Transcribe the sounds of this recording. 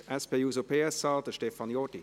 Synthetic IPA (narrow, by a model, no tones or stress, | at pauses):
ɛspeuzopʰeːəsɑːldəʃtefɑnjɔdi